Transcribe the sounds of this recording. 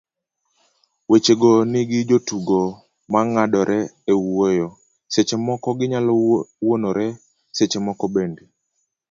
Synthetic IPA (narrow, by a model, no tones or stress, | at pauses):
wet͡ʃeɡonɪɡɪd͡ʒotuɡo | maŋadɔɾʔɛewojɔ | set͡ʃemɔkɔɡɪɲalɔwonoɾɛ | set͡ʃemɔkɔbendi